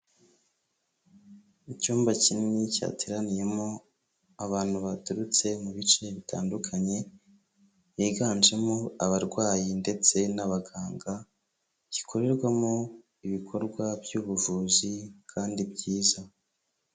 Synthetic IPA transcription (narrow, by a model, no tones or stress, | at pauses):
icuːmbacininica̰ːtʰiɾanije̞mo̞ | aβaːn̥huβatuɾut͡se̞muβit͡ʃe̞βitʰa̰ːndukʰaɲe̞ | jiɡaːnd͡ʒe̞moaβaɾɡwaːjinde̞t͡se̞naβaɡaːŋɡa | ci̥kʰo̞ɾe̞ɾɡwamo | iβikʰo̞ɾɡwabjuːβuʒuːzikʰaːndibɟiːza